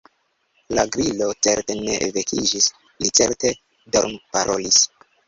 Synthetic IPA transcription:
laɡɾilo̞t͡se̞ɾte̞ne̞̰ʔvekʰid͡ʒis | lit͡se̞ɾte̞ | doɾmpaɾʔo̞lis

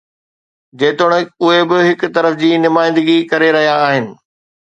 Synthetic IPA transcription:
d͡ʑeːt̪ʊɽ̃əʊɦebɪɦɪkʊt̪ɐɾəfd͡ʑiːnʊmaːɪ̃nd̪ɪɡikɐɾeɾɐɦijaːɦɪnɪ̆

